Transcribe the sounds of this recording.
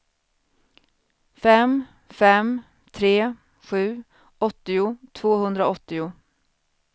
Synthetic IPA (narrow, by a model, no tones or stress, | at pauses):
fɛm | fɛm | t̪ʰɾeː | ɧʉ̟ː | ʔɔt̪ːɪʊt̪ʰvoːhɵnd̪ɾaɔt̪ːɪʊ